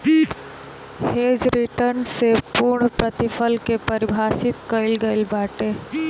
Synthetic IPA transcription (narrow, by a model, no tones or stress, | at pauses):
hed͡ʑɾiʈəɾnsepuɾɳpɾət̪ifəlkepəɾibʱasit̪kəjlɡəjlbaʈe